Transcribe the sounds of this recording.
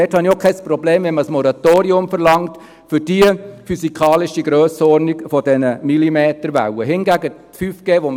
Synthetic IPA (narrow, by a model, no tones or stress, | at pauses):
ɛthɑniokʰɛspɾɔbleːmʋɛnməsmɔɾɑtoːɾiʊmfəɾlɑŋt | fʏd̥iəfysikʰɑːlɪʃiɡɾøːsəɔɾnikfɔdɛnəmilimeːtəɾʋæ̰ʊəɦɪnɡæɡətfyfɡ̥eːʋom